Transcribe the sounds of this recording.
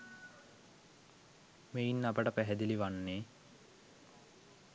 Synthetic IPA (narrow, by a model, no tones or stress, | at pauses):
meinːapəʈəpæɦɛd̪iliʋanːeː